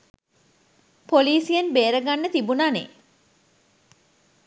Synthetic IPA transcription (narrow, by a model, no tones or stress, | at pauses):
poliːsijenbeːɾəɡanːət̪ibunaːnḛː